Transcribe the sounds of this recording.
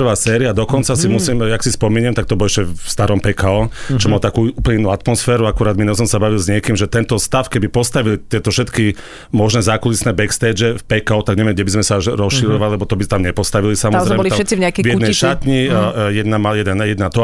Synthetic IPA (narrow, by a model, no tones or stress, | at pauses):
rʋaːsɛːɾiad̪ɔkɔnt͡sasimusimjaksispɔmiːɲɛmt̪akt̪ɔbɔlɛʃcɛst̪aɾɔmpɛkaɔt͡ʃɔmalt̪akuːuːplɲɛinuːat̪mɔsfɛːɾuakuɾaːd̪minɔsɔmsabaʋilzɲɪɛkiːmʒɛt̪ɛnt̪ɔst̪afkɛbipɔst̪aʋilit̪ɪɛt̪ɔfʃɛt̪ki | mɔʒnɛzakulisnɛbɛkst̪ɛd͡ʒɛfpɛkaɔt̪aɡɲɛʋɪɛmɟɛbizmɛsaʒɾɔsʃiɾɔʋalilɛbɔt̪ɔbit̪amɲɛpɔst̪aʋilisamɔzɾɛmɔɛlit̪ʃɛt͡sivɲɛakɛvjɛnɛʃat̪ɲijɛd̪namajɛd̪ɛnjɛd̪nat̪ɔ